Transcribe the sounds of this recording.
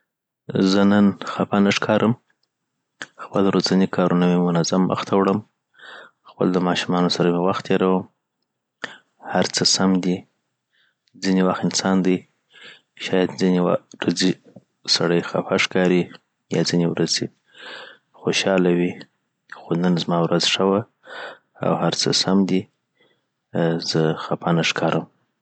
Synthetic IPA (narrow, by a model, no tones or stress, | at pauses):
zənənxafanaʂkʰɑɾʔəm | xpəlɾozanikʰɑɾunamemʊnazamːə̰xt̪ʰawɽəm | xpə̰ld̪əmɑʃumɑnosaɾamewaxt̪ʰeɾawəm | haɾt͡səsamd̪i | d͡zinewaxt̪ɪnsɑnd̪əj | ʃɑjad̪zineɾaze | saɽəjxa̰faʂkɑɾi | jɑ̰zinewɾʔaze | xoʃɑlawi | xonənzmɑwɾʔazʂəwa | a̰whaɾt͡səsamd̪i | z̥əxapʰɑnaʂkʰɑɾʔəm